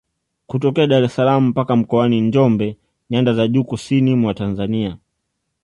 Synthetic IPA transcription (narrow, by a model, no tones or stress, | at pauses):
kutɔkɛaɗaɾɛsalam̩pakam̩kɔaniɲd͡ʒɔmbɛ | ɲandazaʄuːkusinimwatanzania